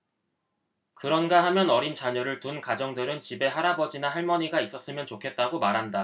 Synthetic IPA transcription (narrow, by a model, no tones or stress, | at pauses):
kɯɾʌnɡaɦamjʌnʌɾint͡ɕaɲʌɾɯɭtunkad͡ʑʌŋdɯɾɯnt͡ɕibe̞ɦaɾabʌd͡ʑinaɦaɭmʌɲiɡais͈ʌs͈ɯmjʌnt͡ɕokʰe̞t̚t͈aɡomaɾɦanda